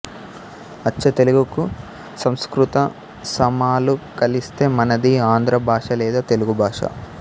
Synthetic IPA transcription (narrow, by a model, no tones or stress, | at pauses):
ɐːt͡ʃːɐt̪e̞luɡuku | sɐmskɾut̪ɐ | sɐmaːlukɐlist̪e̞ːmɐnɐd̪iaːnd̪ɾɐbʱaːʂɐlɛːd̪aːt̪e̞luɡubʱaːʂɐ̰